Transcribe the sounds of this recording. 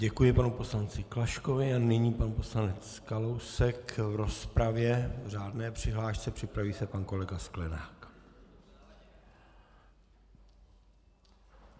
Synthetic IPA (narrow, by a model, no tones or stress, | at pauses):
ɟɛkujɪpanupo̞slant͡sɪklaʃko̞vɪanɪɲiːpanpo̞slanɛt͡s | kalo̞wsɛkvɾo̞spɾavjɛr̝aːdnɛːpr̝̥ɪɦlaːʃt͡sɛpr̝̥ɪpɾaviːsɛpanko̞lɛɡasklɛna̰ːk